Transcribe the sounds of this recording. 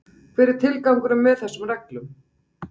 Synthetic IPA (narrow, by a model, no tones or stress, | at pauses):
fɪɾɪɾ̥t̪ʰɪlkawŋkʏɾʏmvɛðθɛsːʏmrɛklʏm